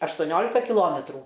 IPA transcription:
ɐʃtoːˈnʲoːlʲɪkɐ kʲɪˈlˠoːmʲɛtruː

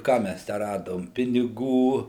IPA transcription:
ˈkɑː ˈmʲæs ˈtʲæː ˈrɑːdoːm pʲɪnʲɪˈɡuː

